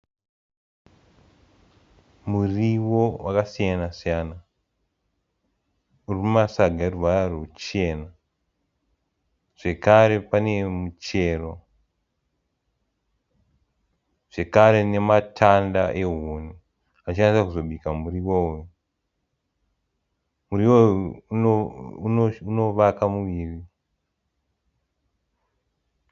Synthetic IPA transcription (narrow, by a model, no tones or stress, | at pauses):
muriʋo̞wʔakasijanasijana | uriumasaɡʱaeruʋaarot͡ʃe̞ːna | ʐ̥e̞kaɾe̞pane̞mut͡ʃe̞ro̞ | ʐ̥e̞kaɾe̞ne̞matʰanda̰ʔeɦonu | at͡ʃiansakuzo̞ɓikamuriwouju | muriwo | uno̞ʋakamuʋiːri